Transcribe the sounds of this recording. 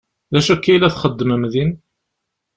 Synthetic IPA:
ðæʃækːilæθχəd̪ːəməmðin

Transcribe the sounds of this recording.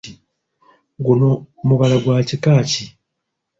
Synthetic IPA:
i | ɡuno | muβalaɡwaːcikaːci

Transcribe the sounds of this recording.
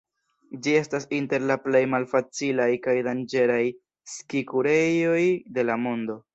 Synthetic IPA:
d͡ʒie̞stasinte̞ɾlaple̞jmalfat͡silajkajdand͡ʒe̞ɾaj | skikuɾe̞jo̞jde̞lamo̞ndo̞

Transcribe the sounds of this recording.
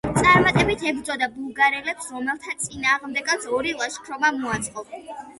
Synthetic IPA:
t̪sʼaɾmat̪ʼɛbit̪ʰɛbd̪zɔd̪abulˠɡaɾɛlɛpsɾɔmɛlˠt̪ʰat̪sʼinaːʁmd̪ɛɡat̪sɔɾilˠaʃkʰɾɔmamuat̪sʼqʼɔ

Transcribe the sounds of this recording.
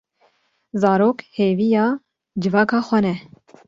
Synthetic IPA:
zɑːɾoːkheːvijɑː | d͡ʒɨvɑːkɑːxʷɛnɛ

